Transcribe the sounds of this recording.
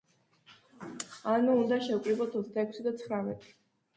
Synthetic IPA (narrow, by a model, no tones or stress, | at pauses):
anuːnd̪aʃɛkʼɾibɔt̪ʰɔt̪sʰd̪aɛkʰsid̪at̪sʰχɾamɛt̪ʼi̥